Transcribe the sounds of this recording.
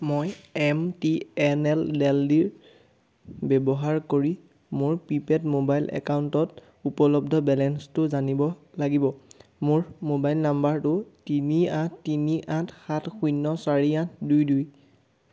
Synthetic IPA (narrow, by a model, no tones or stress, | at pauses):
mojɛmtiɛnɛldɛldiɹ | bɛbɔɦaɹkoɹi | mʊɹpipɛtmobajlʔɛ̰kauntɔt | upɔlɔbdʱɔbɛlɛnstʊzanibɔlaɡibɔmʊɹmobajlnambaɹtʊtiniãtːiniʔãtxatxujnːɔsaɹiãt̚ʰdujduj